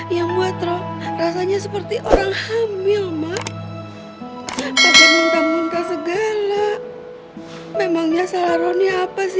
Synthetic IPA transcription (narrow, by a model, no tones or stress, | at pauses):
jaŋbuat̪ɾɔhrasaɲasəpərt̪iʔoɾaŋhambɪlma | saɡanant̪amuŋk̪asəɡala | memaŋɲasalaɾoniapasɪ